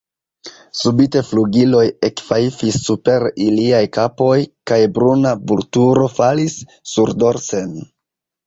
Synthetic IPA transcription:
subite̞fluɡilo̞jekfajifisːupe̞ɾiliajkapo̞jkajbɾunabultuɾo̞falisː | uɾdo̞ɾse̞n

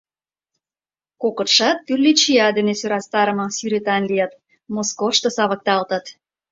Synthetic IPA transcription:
kokɤ̆t̪ʃɑt̪̚ːyrlit͡ɕiɑd̪enesøɾɑst̪ɑɾə̆mɤ̆syɾet̪ɑnlijɑt̪ | moskofʃt̪ɤsɑβə̆k̚t̪ɑlt̪ə̆t̪

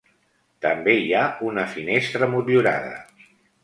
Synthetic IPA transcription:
t̪əmbeiaunəfinest̪ɾəmuluɾa̰ðə̰

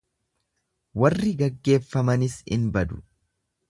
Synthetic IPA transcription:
wɐrːɪɡɐɡːe̞ːfːɐmɐnɪsɪ̰nbɐd̪ʊ̥

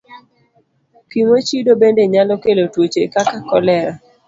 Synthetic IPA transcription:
kiŋot͡ʃidobendeɲalɔkelotwot͡ʃekakakɔlɛɾa

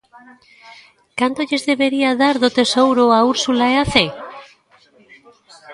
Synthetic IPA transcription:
kant̪oʎezðeβeɾiaðaɾðot̪esowɾoauɾsulaeaθe

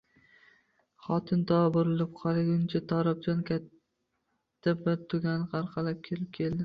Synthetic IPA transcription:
χɒt̪ʰɪnt̪ʰɒabʊɾɪlɪp̚qʰɒɾaɡʲʊnt͡ʃʰat̪ʰɒɾap̚d͡ʒɒnkʲʰat̪ʰː | abɪɾt̪ʰʊɡʲanɪqʰɑɾqʰɑlap̚kʲʰelɪp̚kʲʰe̞ld̪ɪ

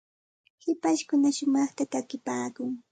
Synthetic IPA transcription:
hɪpaʃkʊnaʃʊmɑχt̪at̪akɪpaːkʊŋ

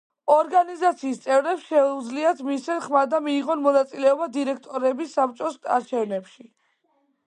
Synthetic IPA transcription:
ɔɾɡanizat̪sʰiːst̪sʼɛvɾɛpsʃɛud̪zliat̪ʰmisɛnχmad̪amiːʁɔnmɔnat̪sʼilɛɔbad̪iɾɛk̚ʰt̪ʼɔɾɛbisːap̚t͡ʃʼɔsa̰ɾt͡ʃʰɛvnɛpʃi

